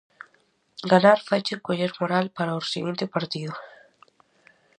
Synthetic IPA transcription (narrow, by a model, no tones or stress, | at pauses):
ɡanaɾfajt͡ʃɪkoʎeɾmoɾalpaɾaosiɣint̪ɪpaɾt̪iðʊ